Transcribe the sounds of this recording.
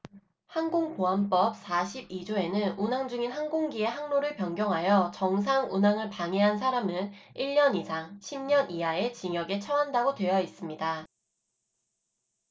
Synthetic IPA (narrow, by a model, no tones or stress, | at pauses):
haŋɡoŋpoɦamp͈ʌp̚s͈aɕʰibid͡ʑoe̞nɯnunaŋd͡ʑuŋinɦaŋɡoŋɡie̞ɦaŋnoɾɯɭpjʌŋɡjʌŋɦajʌt͡ɕʌŋs̬ʰaŋunaŋɯɭpaŋeɦansʰaɾamɯniɭɲʌnisʰaŋɕʰimɲʌnʔiae̞t͡ɕiŋjʌɡe̞t͡ɕʰʌɦandaɡotwe̞jʌis͈ɯmɲida